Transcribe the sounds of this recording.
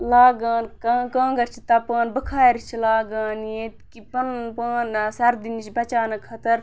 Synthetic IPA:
laːɡaːnkaːkãːŋɡɐɾt͡ʃʰit̪ɐpãːnbɐkʰaːɾit͡ʃʰilaːɡaːnjet̪kipɐnpaːnːsɐɾd̪init͡ʃbɐt͡ʃaːnɐkʰɐt̪ɐɾ

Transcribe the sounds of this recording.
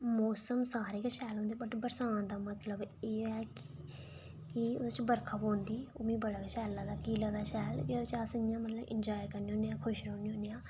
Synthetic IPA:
moːsəmsaːɾeːkəʃɛːlɦõːnd̪eiːbəʈbəɾsãːãːd̪aːmət̪ləbeːɛːk | kɪot͡ʃbəɾkʰaːpõːnd̪iːoːmĩːbəɽaːkəʃɛːlːãːd̪aːkiːlaːd̪aːʃɛːlet͡ʃaːsəɪjãːmət̪ləʔɪ̰nd͡ʒaːikəɾniːõːnejãːkʰʊʃɾoːniːɦõːniːãː

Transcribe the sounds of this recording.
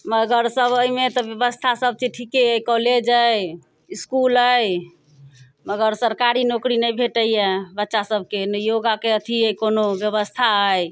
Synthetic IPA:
məɡəɾsəboimet̪ɔbjəbəst̪ʰasəb̚t͡ʃiʈʰikeəkɔled͡ʒəj | iskuləj | məɡəɾsəɾkaɾinokɾinəjbʱeʈəjebətːʃasəb̚ʱkenəjoɡakeət̪ʰiekonobjəβəst̪ʰaɦəj

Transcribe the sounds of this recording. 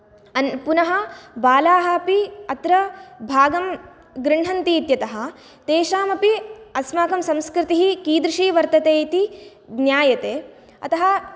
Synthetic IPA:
ɐnpunɐɦɐ̆baːlaːɦɐ̆piɐt̪ɾɐbʱaːɡɐm | ɡɾɪɳ̤ɐnt̪iːt̪jɐt̪ɐɦɐ̆ | t̪eːʃaːmɐpiɐsmaːkɐmsɐmskɾɪt̪iɦikiːd̪ɾiʂiːʋɐɾt̪ɐt̪eːit̪i | bnjaːjɐt̪eː | ɐ̰t̪ɐɦɐ̆

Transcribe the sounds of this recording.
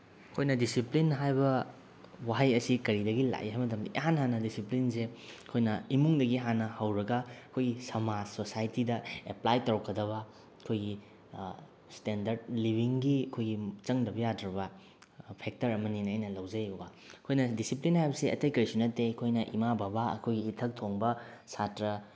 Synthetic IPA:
ɐkʰojnɐdisiplinɦajbɐ | waɦajɐsikɐɾidɐɡila̰jɦajmɐt̬ɐmdḭjanɦanːɐdisiplinsekʰojnɐimuŋdɐɡiɦanːɐhawɾɐɡɐɐkʰojɡisɐmasosajtidɐeplajtɐɾkʰːɐdɐβɐ | ɐkʰojɡi | stendɐɾd̚libʱiŋɡiɐkʰojɡit͡ʃɐŋdɐbɐjadɾɐbɐ | pʰek̚tɐɾɐmɐninɐjnɐlɐwzɐjobɐ | ɐkʰojnɐdisiplinhajbɐsiɐ̰tɐjkɐɾisunɐtːekʰojnɐʔimababaɐ̰kʰojɡiːtʰɐk̚tʰoŋbɐsatɾɐ

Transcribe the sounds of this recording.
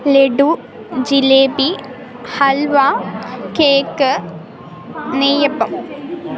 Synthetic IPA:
leɖu | d͡ʑileːbi | hɐlʋakeːkːɨ | nejɐpːɐm

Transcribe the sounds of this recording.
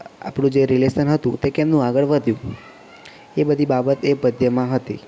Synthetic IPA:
a̰pɽ̃ũd͡ʒeɾilesənɦət̪ũt̪ekemnũaɡəɭʋəd̪ʱjũ | ebəd̪ʱibabət̪epəd̪ʱjəmãɦət̪i

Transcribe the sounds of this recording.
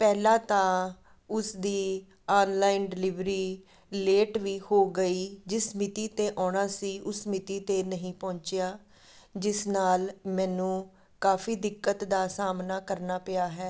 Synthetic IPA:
pɛːlãːt̪ãː | ʊsd̪iː | aːnlaːɪnɖɪlɪʋɾiː | leːʈʋiːhoːɡəiːd͡ʒɪsmɪt̪iːt̪eːʔɔːɽ̃aːsiːʔʊsmɪt̪iːt̪eːnəɦĩːpɔ̃ːɲt͡ʃɪjaː | d͡ʒɪsnaːlmɛ̃ːnũː | kaːfiːd̪ɪkːət̪d̪aːsaːmnaːkəɾnaːpɪjaːɦɛː

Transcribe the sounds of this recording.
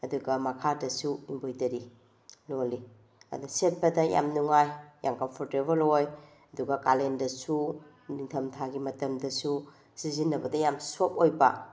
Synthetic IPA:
ɐduɡɐmɐkʰadɐsuimbojtɐɾi | loli | ɐ̰duset̚pɐdɐja̰mnuŋajja̰mkɐmpʰoɾtebɐloj | ɐduɡɐkalendɐsu | niŋtʰɐmtʰaɡimɐtɐmdɐsu | sizinːɐbɐdɐjamsop̚ojbɐ

